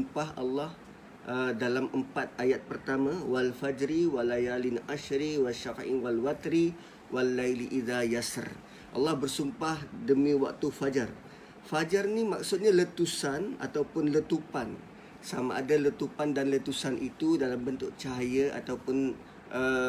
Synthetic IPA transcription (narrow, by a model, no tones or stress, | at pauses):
mpahʔa̰lːɑh | ʔədalamʔəmpat̪̚ajat̪̚pərt̪amãwalfad͡ʒɾiwalajalinʔaʃɾiwaʃafʔḭnwalwat̪ɾi | wʔalːajliʔiðajasa̰r | ʔa̰lːɑhbərsumpahdəmĩwa̰k̚t̪ufad͡ʒər | fad͡ʒərnimak̚sʊt̪̚ɲalət̪usana̰t̪awpʊnlət̪upan | sama̰ʔadalət̪upandanlət̪usanʔit̪udalambənt̪ʊʔ̚t͡ʃaɦajəʔa̰t̪awpʊn | ʔə